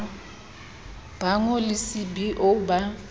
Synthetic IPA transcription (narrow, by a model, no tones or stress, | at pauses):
b̥aŋɔlɪsɪbiʔoba